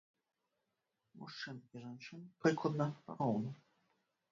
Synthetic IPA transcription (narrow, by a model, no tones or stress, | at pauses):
muʂt͡ʂɨniʐant͡ʂɨnpɾɨklˠɐd̪nɐpa̰ɾɔwnɐ